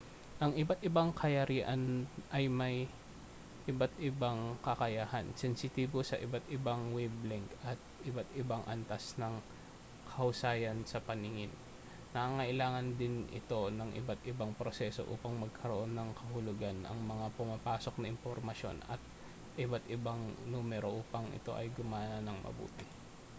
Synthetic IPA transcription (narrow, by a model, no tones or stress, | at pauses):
ʔɐŋʔɪbat̪̚ʔɪbaŋkʰɐjɐɾiːʔɐnʔɐjmɐj | ʔɪbat̪ɪbaŋkɐkɐjaːhansɛnsɪt̪iːbosɐʔɪbat̪ɪbaŋwɛblɪŋkʔɐt̪̚ʔɪbat̪ɪbaŋʔɐnt̪asnɐŋ | kʰɐʔʊsaːjɐnsɐpɐnɪŋɪnː | ɐaːŋɐʔɪlaːŋɐnd̪ɪnʔɪ̰t̪o̞nɐŋʔɪ̰bat̪ɪbaŋpɾosɛːso̞̰ʔṵːpɐŋmɐɡ̚kʰɐɾoʔo̞nːɐŋkʰɐhʊlʊɡanʔɐ̰ŋmɐŋapʊmapaːso̞k̚nɐʔɪmpoɾmɐʃo̞̰nɐ̰t̪̚ | ʔɪbat̪ɪbaŋnuːmɛɾo̞ʔuːpɐŋʔɪ̰t̪o̞̰ʔɐjɡʊmaːnnɐŋmɐ̰bṵːt̪ɪ